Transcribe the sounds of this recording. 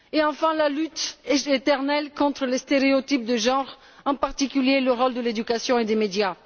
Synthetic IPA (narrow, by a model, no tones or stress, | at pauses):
eɑ̃fɛ̃lalyt̪et̪ɛʁnɛlkɔ̃t̪χəlest̪eʁeot̪ip̚d̪əʒɑ̃ʁ | ɑ̃paʁt̪ikʲyljeləʁɔld̪əled̪ykasjɔ̃ed̪emed̪ja